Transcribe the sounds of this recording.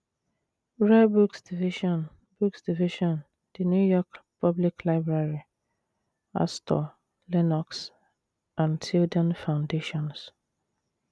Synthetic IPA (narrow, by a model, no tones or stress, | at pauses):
ɹebuksdiviʃɔ̃n | b̥uksdiviʃɔ̃n | d̥injujɔkpʰɔbliklaɪbɹaɹi | a̰stʰɔ̰ | lɛnɔks | ãntidɔ̃nfãʊ̃ndeʃɔ̃ns